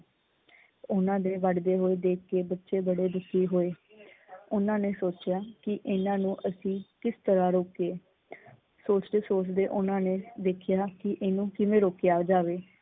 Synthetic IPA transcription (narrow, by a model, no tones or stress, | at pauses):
ʊnãːd̪eːʋəɖd̪eːɦoːeːd̪eːkkeːbətːʃeːbəɽeːd̪ʊkʰːiːɦoːeː | ʊnãːneːsoːt͡ʃɪjaːkɪʔɪnãːnũːʔəsĩːkɪst̪əɾãːɾoːkeː | soːt͡ʃd̪eːsoːt͡ʃd̪eːʔʊnãːneːd̪eːkʰjaːkɪʔeːnũːkɪʋẽːɾoːkeaːd͡ʒaːʋeː